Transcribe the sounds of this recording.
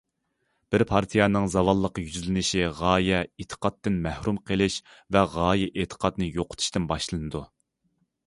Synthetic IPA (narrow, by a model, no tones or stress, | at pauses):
b̥ɪɾpʰɑɾt̪ʰijɑnɨŋzɑvɑlˠːəqjyzlɪnɪʃiʁɑːjɛet̪ʰə̥qʰɑt̪ːɪnmæhɾumqʰelˠɪʃvɛʁɑːjɛʔet̪ʰə̥qʰɑd̪nɨjoqʰʊ̥t̪ʰu̥ʃt̪ɪnbɑʃlˠɨnɨd̪u